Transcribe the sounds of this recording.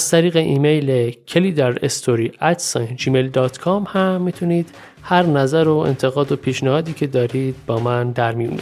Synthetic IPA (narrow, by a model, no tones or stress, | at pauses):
zt̪ʰæɾiːɣe̞ʔiːmejlecʰeliːd̪æɾest̪ʰoɾiːæt̪sɒnd͡ʒiːmejld̪ɒːt̪kʰɒːmhæmːiːt̪ʰuniːd̪̥ | hæɾnæzæɾoḛnt̪ʰe̞ɣɒːd̪opʰiːʃnæhɒːd̪iːcʰe̞d̪ɒːɾiːd̪̥̚bɒːmænd̪æɾmijṵnbḭ